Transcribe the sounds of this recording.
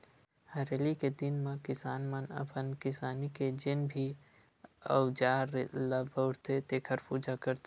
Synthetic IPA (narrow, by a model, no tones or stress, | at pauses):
həɾeːliked̪ɪnmãkɪsaːnmənə̰pənkɪsaːniked͡ʒɪnbʱi | ə̰ʊd͡ʒaːɾləbəʊɽt̪et̪eːkʰəɾpuːd͡ʒakəɾt̪e